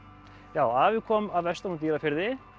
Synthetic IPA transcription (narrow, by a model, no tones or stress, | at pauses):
jaːwavɪkʰɔːmavɛst̪ahunt̪iɾafɪɾðɪ